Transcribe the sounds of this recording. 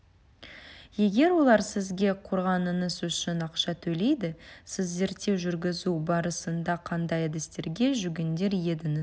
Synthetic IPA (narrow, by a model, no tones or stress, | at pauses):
je̞ɡʲe̞ɾwo̞lˠɑɾsɪzɡʲe̞qʰo̞ɾʁɑnənəzʏʃɪnɑqʃɑt̪ʰɵle̞jd̪ɪsɪzːe̞ɾt̪ːe̞wʒʏɾɡʲɪzubɑɾəsənd̪ɑqʰɑnd̪ɑjæd̪est̪e̞ɾɡʲe̞ʒʏɡʲend̪e̞ɾje̞d̪ɪŋɪz